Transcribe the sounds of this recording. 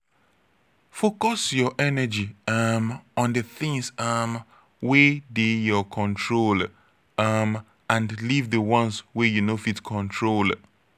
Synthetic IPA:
fokɔsjɔʔɛnɛd͡ʒiamɔ̃ndəθɪ̃ŋsam | wedejɔkʰɔ̃ntʰɹol | am | ãndlivðəwɔ̃nswɛjunofitkʰɔ̃ntʰɹol

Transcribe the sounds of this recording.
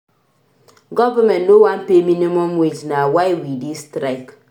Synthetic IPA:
ɡɔvəmɛnnowanpeminimɔmwed͡ʒnawajwidistɾajk

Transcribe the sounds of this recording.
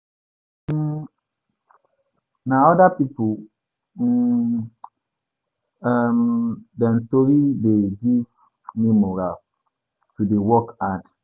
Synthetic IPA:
naɔdapipu | amdɛ̃ntoɾideɡiv | mimoɹa | tudewɔkãd

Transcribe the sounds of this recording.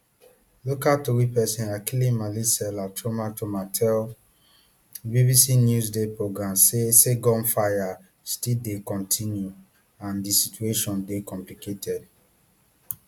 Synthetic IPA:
lokatowipɛsĩnakilĩnmalisɛlatʰomatʰomatʰɛl | bivisinjuzdepɹoɡɹãmseseɡɔ̃nfaja | stildekɔ̃ntʰĩnju | ãndisitueʃɔ̃ndekɔ̃mpliketʰɛd

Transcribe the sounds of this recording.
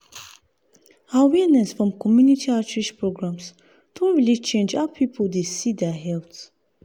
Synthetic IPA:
hawinɛsfɹɔ̃mkʰɔmjunitʰiatɹiʃpɹoɡɹãms | t̪ʰõnɹilit͡ʃẽnd͡ʒaəpʰipʰəld̪esid̪ɛɦɛlts

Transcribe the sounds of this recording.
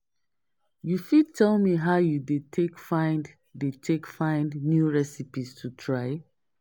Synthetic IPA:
jufid̚tʰɛlmiɦaʊjudetʰekfãɪ̃nd | detʰekfãɪ̃ndnjuɹɛsipistʰutʰɹaɪ

